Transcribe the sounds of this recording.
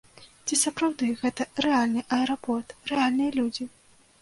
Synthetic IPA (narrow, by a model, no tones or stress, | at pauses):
t͡sʲisɐpɾawd̪ɨɣɛt̪ɐrɛalʲnɨʔɐɛɾapɔrt̪rɛalʲnɨjɐlʲud͡zʲi